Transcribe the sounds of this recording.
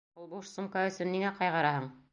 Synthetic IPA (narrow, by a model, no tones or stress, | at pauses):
ulˠbuʃsŭmkaɵ̆sɵnːiŋæqɑjʁɑɾɑhɤɴ